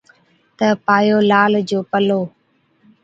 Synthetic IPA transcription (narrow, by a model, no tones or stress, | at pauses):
t̪əpaːjoːlaːld͡ʑoːpəloː